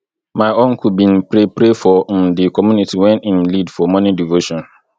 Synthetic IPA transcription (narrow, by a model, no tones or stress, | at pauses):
mãɪõnkʰubĩnpʰɾepɾefɔdɪkʰɔmjũnitʰiwɛ̃nĩnlidfɔmɔ̃nĩdivoʃɔ̃n